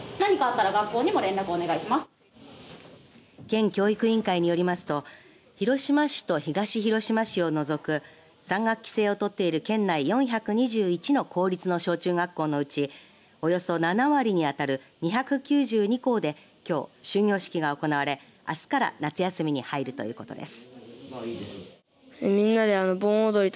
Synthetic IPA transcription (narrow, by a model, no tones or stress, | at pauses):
naɲ̟ikaːt̪ːaɾaɡakːo̞ːɲ̟imo̞ɾẽ̞nɾakɯone̞ɡaiɕimas | kẽ̞ŋkʲo̞ːikɯ̟ĩŋkaiɲ̟ijo̞ɾʲimasɨ̥t̪o̞ | çiɾo̞ɕimaɕi̥t̪o̞çiɡaɕiçiɾo̞ɕimaɕio̞no̞zo̞kɯ̟ | sãŋɡakkʲːi̥se̞ːo̞t̪o̞t̪ːe̞iɾɯ̟kẽ̞nːaijõ̞ɰ̃çʲakɯ̟ɲ̟iʑɨːit͡ɕino̞kʰo̞ːɾʲit͡sɨno̞ɕo̞ːt͡ɕɨːɡakːo̞ːno̞ɯ̟t͡ɕi | o̞jo̞so̞nanaβaɾʲiɲ̟iat̪aɾɯ̟ɲ̟içʲakɯ̟kʲɨːʑɨːɲ̟iko̞ːd̪e̞ | kʲo̞ːɕɨːɲʲo̞ːɕi̥kʲiɡao̞ko̞naβaɾe̞ | a̰sɨ̥kaɾa̰nat͡sɨjasɨmʲiɲ̟ihaiɾɯ̟t̪o̞jɯ̟ːko̞̥̰t̪o̞̰d̪e̞̰sɨ̥ | emʲĩnːad̪eanobõɰ̃od̪oɾit̪